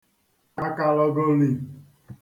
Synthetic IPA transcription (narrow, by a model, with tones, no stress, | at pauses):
a˦ka˨lɔ˦ɡo˦li˨